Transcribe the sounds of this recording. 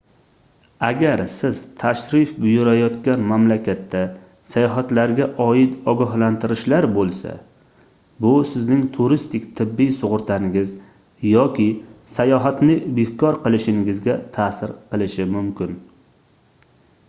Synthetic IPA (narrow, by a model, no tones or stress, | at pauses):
aɡʲaɾsɪz̥t̪ʰaʃɾɪfbʊjʊɾajɒt̪kʲanmamlakʲat̪ʰːa | sajɒɦat̪laɾɡʲaʔɒjɪt̪ɒɡɒɦlant̪ʰɪɾɪʃlaɾbolˠsa̰ | bʊsɪznɪŋt̪ʰʊɾɪst̪ɪkʲt̪ʰɪbːijsʊʁʊɾt̪ʰanɪŋɪz | jɒkʲʰɪsajɒɦat̪nɪbehkɒɾqɨlˠɪʃɪŋɪɡɪzɡʲat̪ʰaːsɪɾqɨlˠɪʃɪmʊmkʲɪn